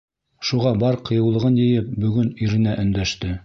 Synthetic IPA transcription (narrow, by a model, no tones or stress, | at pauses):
ʃuʁɑbɑɾqʰɤ̆jɤ̆wlˠɤ̆ʁɤnjɘ̆jɘp̚bɵ̆ɡɵnɵ̆ɾɘ̆næʔɵ̆nd̪æʃt̪ɘ